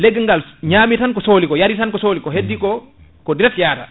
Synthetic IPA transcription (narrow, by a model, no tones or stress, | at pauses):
leɡŋɡalɲaːmitankɔsoːlikɔjaɾitankɔsoːlikɔɦedːikɔ | kɔdiɾɛktjata̰